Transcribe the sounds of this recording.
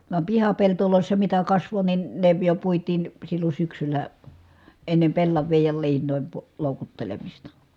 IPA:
ʋɑm pihɑpeltoloˑisːɑ mitæ kɑsʋo nin ne jo puitˑiːn silːon̞ syksylˑæ enːem pelːɑʋˑiːj jɑ liːnˑoˑim pu loˑukutːelemistɑ

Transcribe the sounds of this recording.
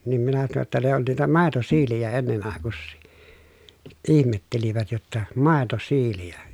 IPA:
nim minæ tɑno tːɑ ne on niːtæ mɑˑetosiːlijæ enːen ɑˑekusːiː ʔihmetːeliʋæt jotːɑ mɑˑetosiːlijæ

